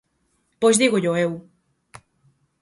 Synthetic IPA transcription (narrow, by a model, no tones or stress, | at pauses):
pojzðiɣoʎoew